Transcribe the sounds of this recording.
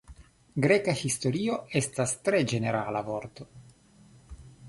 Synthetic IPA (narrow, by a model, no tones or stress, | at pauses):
ɡɾekahist̪o̞ɾio̞e̞stast̪ɾed͡ʒe̞ne̞ɾalavo̞ɾt̪o̞